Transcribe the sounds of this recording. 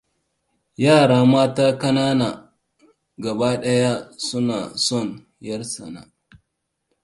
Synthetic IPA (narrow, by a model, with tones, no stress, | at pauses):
jaː˦˨ɽaː˦maː˦taː˦kɐ˦naː˦naː˨ | ɡɐ˨baː˦ɗɐ˦ja˦sʊ˦naː˨sɔ˦˨n | jɐ˦rsɐ˨na̰˦